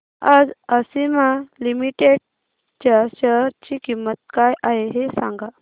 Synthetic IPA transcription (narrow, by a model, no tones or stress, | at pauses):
ad͡zəsimalimiʈeɽ | t͡ɕaɕəɾt͡ɕiːkimːət̪̚kajʔaɦeɦesãŋɡa